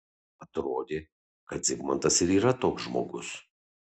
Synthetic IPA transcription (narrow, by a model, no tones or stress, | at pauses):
ɐt̪ɾoːd̪ʲeː | kɐt̪̚zʲɪɡmɐnt̪ɐsɪɾiːɾɐt̪oːksʒmo̰ːɡʊ̰s